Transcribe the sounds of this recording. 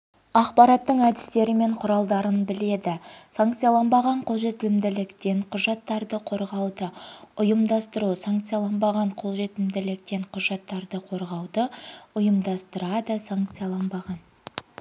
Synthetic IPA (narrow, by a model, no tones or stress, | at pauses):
ɑqpɑɾɑt̪ːəɴæd̪ɪst̪e̞ɾɪmeɴqʰʊɾɑlˠd̪ɑɾənbɪle̞d̪ɪsaŋkt̪sɨjɑlˠɑnbɑʁɑɴqʰo̞lˠʒe̞t̪ɪlɪmd̪ɪlɪkt̪e̞ɴqʰʊʒɑt̪ːɑɾd̪əqʰo̞ɾʁɑwd̪əʊjəmd̪ɑst̪əɾusaŋkt̪sɨjɑlˠɑnbɑʁɑɴqʰo̞lˠʒe̞t̪ɪlmd̪ɪlɪk̚t̪e̞ɴqʰʊʒɑt̪ːɑɾd̪əqʰo̞ɾʁɑwd̪əʊjəmd̪ɑst̪əɾɑd̪əsaŋk̚t̪sɨjɑlˠɑnbɑʁɑn